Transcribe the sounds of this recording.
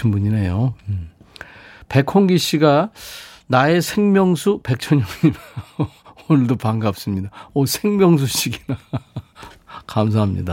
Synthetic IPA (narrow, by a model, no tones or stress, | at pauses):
inbuɲinejo | pe̞kʰoŋɡiɕ͈ʰiɡa | nae̞sʰe̞ŋmʲjʌŋsʰupe̞k̚t͡ɕʰʌɲʌmidajonɯɭdopaŋɡap̚s͈ɯmɲidaʌsʰe̞ŋmjʌŋs̬ʰuɕ͈iɡina | kams̬ʰaɦamɲḭda